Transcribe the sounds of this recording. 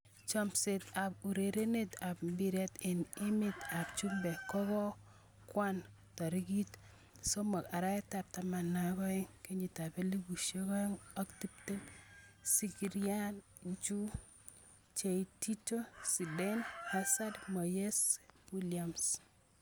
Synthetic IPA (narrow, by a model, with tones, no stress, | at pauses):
t͡ʃɔ˦mse˨t̪a˨bu˨ɾe˨ɾe˦ne˦ta˨bbi˨ɾɛ˦te˨nɪ˦mɪ˨t̪a˨bt͡ʃu˦mbɛ˨kɔ˦ɡɔ˦ | kwa˦n | tɔ˨ɾi˦ɡi˦t | so˦mɔ˨a˨ɾa˦ɛ˦ta˨p̚ta˨ma˨na˨ɡɔ˦ɛ˦ŋke˦ɲi˨ta˨be˦li˦ɡu˨ʃe˦kɔ˦e˦ŋɔ˦kti˦p̚te˦nsi˨kiɾia˦n | t͡ʃu˦ | t͡ʃe˨iti˦to˦si˨de˦nha˦sa˦dmɔ˨je˦sbi˦lia˨ms